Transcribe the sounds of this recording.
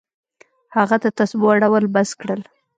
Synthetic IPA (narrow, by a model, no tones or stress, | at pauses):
haɣad̪at̪asboaɽawəlbaskɽəl